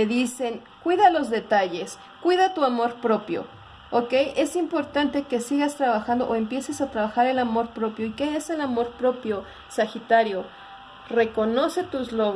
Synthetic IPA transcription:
eðise̞ŋ | kwiðalo̞zðe̞t̪aʝe̞s | kwiðat̪uamo̞ɾpɾo̞pjo̞̰ | oke̞jʔe̞simpo̞ɾt̪ant̪e̞ke̞siɣast̪ɾaβaxand̪oʔoe̞mpje̞se̞sat̪ɾaβaxaɾe̞lamo̞ɾpɾo̞pjo̞ikeese̞lamo̞ɾpɾo̞pjo̞ | saxit̪aɾjo̞ | re̞ko̞no̞se̞t̪uzloɣ

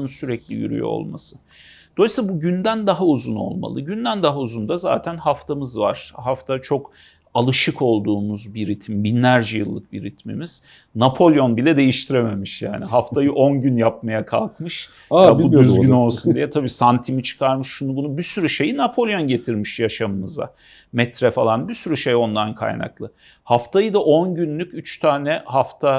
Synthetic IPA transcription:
ɯnsyɾɛclʲḭjy̰ɾy̰jo̰o̞̰lˠma̰sɯ̥ | d̪̥o̞lˠsabuɟynd̪ænd̪aɦauzuno̰lˠma̰lˠɯɟynd̪ænd̪aɦauzund̪aza̰ːt̪ʰænhaft̪ʰamɯzva̰ɾ̥ɦaft̪ʰat͡ʃʰo̞k | alˠɯʃɯkʰo̞lˠd̪uːmuzbiɾit̪ʰimbinlʲæɾd͡ʒɛjɯ̰lˠːɯk̚biɾit̪ʰmḭmiz̥ | napʰo̞lʲˠjo̞nbilʲɛd̪e̞jiʃt̪ʰiɾeme̞miʃja̰ːniɦaft̪ʰajɯʔo̞nɟynjap̚majakʰa̰lˠkmɯʃ | jabud̪yzɟyno̞lˠsund̪ijɛt̪ʰabiːsant̪ʰimit͡ʃʰɯ̥kʰaɾmɯʃːunubunubisyɾyʃe̞jinapʰo̞lʲˠjo̞nɟe̞t̪ʰiɾmiʃjaʃamɯnɯza̰ | mɛt̪ɾɛfalˠanbisyɾyʃe̞jo̞nd̪ankʰa̰jna̰klˠɯ | haft̪ʰajɯd̪aʔo̞nɟynlʲycyt͡ʃt̪ʰaːnɛhaft̪ʰa

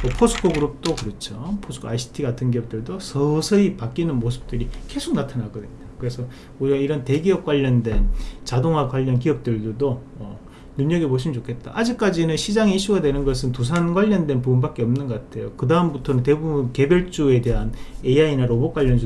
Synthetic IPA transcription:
mopʰosʰu̥kʰoɡɯɾup̚t͈okɯɾʌt͡ɕʰopʰosʰɯ̥kʰoajsʰi̥tʰiɡatʰɯnɡ̬iʌp̚t͈ɯɭdosʰʌsʰʌipak͈inɯnmosʰɯ̥p̚t͈ɯɾike̞sʰok̚natʰanaɡʌdenaokɯɾe̞sʰʌ | uɾiɡaiɾʌnte̞ɡiʌp̚k͈waʎːʌndwe̞nt͡ɕadoŋɦwakwaʎːʌnk̬iʌp̚t͈ɯɭdudo | ʌ | nuɲʌɡeboɕ̬ʰimint͡ɕokʰe̞t̚t͈a̰ʔad͡ʑik̚k͈ad͡ʑinɯnɕʰid͡ʑaŋeiɕ͈ʰuɡadwe̞nɯnɡʌs̬ʰɯntus̬ʰanɡwaʎːʌndwe̞npubunbak͈e̞ʌmnɯnɡʌk͈atʰe̞jokɯdaɦɯmbutʰʌnɯnt̬e̞bubunke̞bjʌɭt͡ɕ͈ue̞de̞ɦane̞iainaɾobokwaʎːʌnd͡ʑu

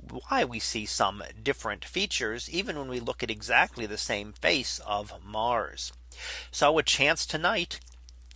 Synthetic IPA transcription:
waɪwisisʌ̰̃mdɪfɹɨ̰̃ntfit͡ʃə˞zivɨ̃nwə̃nwilʊkɨɾɨɡzæk̚tʰˡliðɨsẽɪ̃ɱfeɪsʌ̰vmɑɹz̥ | soʊɨd̚t͡ʃʰæ̃nstʰɨnaɪt

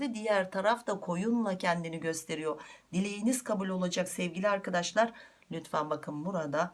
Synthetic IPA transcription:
d̪ɛd̪ijæɾt̪ʰaɾaft̪akʰo̞junlˠacʰɛnd̪iniɟø̞st̪ʰe̞ɾijo̞d̪̥ilʲe̞jiniz̥kʰabulʲo̞lˠad͡ʒaksɛvɟilʲiaɾkad̪aʃlˠaɾ | lʲyt̪fanbakʰɯmbuɾad̪a

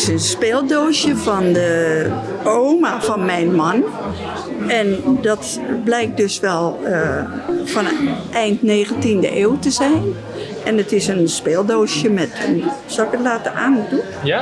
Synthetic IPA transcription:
sənspeːlˠdoːsjəfɔndə | owmav̥ɔnmɛjnmɔn | ɛndɔt | blɛjk̚t̚døsʋɛlˠəfɔnʔɛjntneːɣəntində̰ʔeːwtəzɛjn | ʔɛnətɪsənspeːlˠdoːsjəmɛtənsɔlɪkətlaːtəʔaːndu

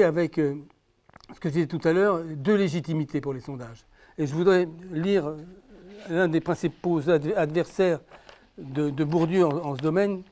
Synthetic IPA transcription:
avɛk | sə̥kəʒəd̪izɛt̪ut̪alœʁd̪øleʒit̪imit̪epuʁlesɔ̃d̪aʒ | eʒəvud̪ʁɛliʁ | lɛ̃d̪epχɛ̃sipozad̪ad̪vɛʁsɛːʁ | d̪əd̪əbuʁd̪øɑ̃ɑ̃səd̪ɔmɛn

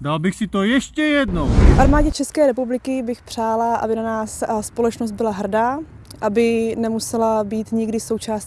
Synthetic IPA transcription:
dalbɪxsɪt̪ojɛʃcɛjɛdnofʔaɾmaːɟɛt͡ʃɛskɛːɾɛpublɪkɪbɪxpr̝̥aːlaʔa̰bɪnanaːsspo̞lɛt͡ʃnost̪bɪlaɦr̩daː | ʔabɪnɛmusɛlabiːt̪ɲɪɡdɪso̞wt͡ʃaːs

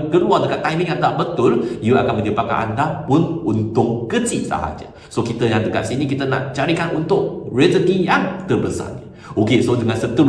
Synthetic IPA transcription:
kəluadəkat̪ːajmĩŋjaŋt̪aʔbət̪ʊljuʔa̰kanmə̃dəbaka̰ʔa̰ndapʊnunt̪ʊʔ̚kət͡ʃisa̰ɦa̰d͡ʒa̰ | sokit̪əjaŋdəka̰t̪̚sinik̬it̪əna̰ʔt͡ʃaɾikanʔunt̪ʊʔ̚rɛt̪əɡijaŋt̪ərbəsa̰ni | ʔokesodəŋansət̪u

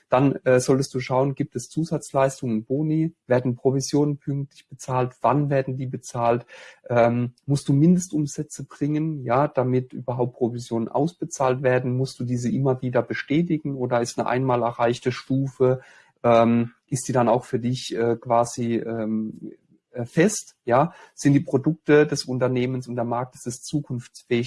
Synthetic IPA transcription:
d̥anʔɛːzɔltəstd̥uːʃaʊənɡiːp̚tɛst͡suːzat͡slaɪstʊŋənb̥oːniveːɐdn̩pʁ̥ovizjoːnənpʰʏŋk̚tlɪçb̥ət͡saːltv̥anveːɐdn̩diːbət͡saːltʔɛːmmʊstd̥uːmɪndəstʔʊmzɛt͡səbʁɪŋənjaːd̥amɪtʔy̰ːbɐɦaʊp̚t̚pʁ̥ovizjoːnənʔa̰ʊsb̥ət͡saːltv̥eːɐdn̩mʊstd̥uːdiːzəʔɪmɐviːdɐbəʃtɛːtɪɡŋ̩ʔoːdɐɪstnəʔa̰ɪnmaːlɛɐʁaɪçtəʃtuːfə | ʔɛːmʔɪstd̥iːdanaʊxfyːɐdɪçʔɛːkv̥aːziːʔɛːmː | fɛstjaːz̥ɪntd̥iːpʁ̥odʊk̚tədɛsʊntɐneːmənsʊntd̥eːɐmaɐk̚tɪ̥sɪst͡suːkʰʊnft͡sfɛːɪ

